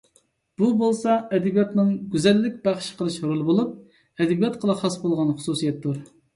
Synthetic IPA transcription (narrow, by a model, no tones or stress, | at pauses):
b̥ubolˠsɑɛd̪ɛbijɑt̪nɨŋɡʲyzɛlːɪk̚ʲbæχʃqʰəlˠɨʃhoɾulˠɨbolˠup̚ | ɛd̪ɪbijɑt̪qʰəlˠɑχɑsbolˠʁɑnχʊ̥susijɛt̪ːuɾ